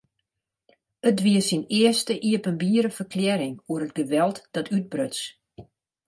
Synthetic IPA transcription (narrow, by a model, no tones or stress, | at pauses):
ət̚dʋiəsinɪəstəʔiəpənbiəɾəfərkʰljɛɾɪŋuəɾəd̚ɡəʋɛlˠtd̥ɔtʰyt̚brøt͡s